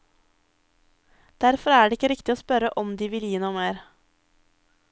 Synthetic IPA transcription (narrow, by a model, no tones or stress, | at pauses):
d̪̥æɾfɔɾæːɖeːɪkəɾɪkt̪ɪoːspœɾəʔɔmd̪iːʋɪljiːnuːmeːɾ